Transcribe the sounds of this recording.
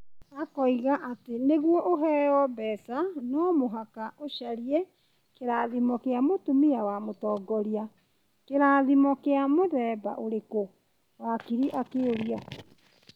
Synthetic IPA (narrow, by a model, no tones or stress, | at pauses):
akɔiɣaʔateneɣwɔʔoɦɛɔbɛsanɔmoɦakaʔoɕaɾiɛ | keɾaːðimɔkeamotumiawamotɔɡɔɾia | keɾaːðimɔkeamoðɛːba̰ʔoɾeko | wakiɾiʔakeoɾia